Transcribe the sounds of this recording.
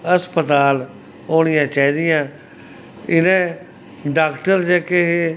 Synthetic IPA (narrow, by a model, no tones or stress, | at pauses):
əspət̪aːl | oːɽ̃ɪjãːt͡ʃaːĩːd̪ɪjãː | ɪnẽː | ɖaːkʈəɾd͡ʒɛːkeɦe